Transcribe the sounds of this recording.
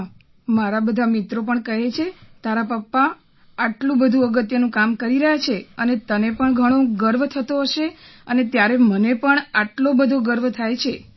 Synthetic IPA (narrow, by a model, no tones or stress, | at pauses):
maɾabəd̪ʱamit̪ɾopəɳkəɦet͡ʃʰet̪aɾapəpːaː | ʈlũbəd̪ʱũəɡət̪jənũkamkəɾiɾəɦat͡ʃʰeənet̪ənepəɳɡʱəɽ̃oɡəɾʋt̪ʰət̪oɦəʃeənet̪jaɾemənepəɳaʈlobəd̪ʱoɡəɾʋt̪ʰajt͡ʃʰe